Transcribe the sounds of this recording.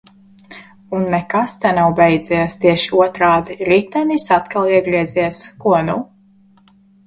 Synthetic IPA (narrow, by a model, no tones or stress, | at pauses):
unːɛkast̪ɛnawbɛjd̪zɛst̪iɛʃi̥uɔt̪ɾaːviɾit̪ɛnʲisat̪kalˠiɛɡɾiɛziɛskuɔnu